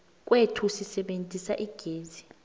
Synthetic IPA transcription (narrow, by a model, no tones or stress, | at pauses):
k̬ʼwetʰusisɛɓentʼisaʔiɡ̥ʱeːzi